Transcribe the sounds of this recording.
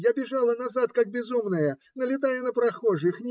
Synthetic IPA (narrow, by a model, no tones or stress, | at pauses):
jabʲɪʐalˠɐnazat̪̚kaɡ̚bʲɪzumnɐjɐ | nɐlʲɪt̪ajɛnɐpɾaxɔʐɨxnʲ